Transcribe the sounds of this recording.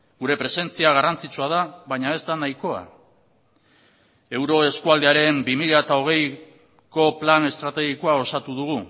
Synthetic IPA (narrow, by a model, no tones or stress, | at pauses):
ɡuɾe̞pɾe̞se̞nt͡siaɣ̞arant͡sit͡suað̞aβajɲae̞zd̪anajko̞a̰ | e̞wɾo̞e̞skuald̪eaɾe̞mbimiʎaet̪ao̞ɣ̞e̞j | ko̞plane̞st̪ɾat̪e̞ɣikoao̞sat̪uðuɣ̞u